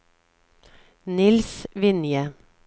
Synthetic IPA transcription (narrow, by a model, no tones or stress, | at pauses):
nɪlsʋɪnjə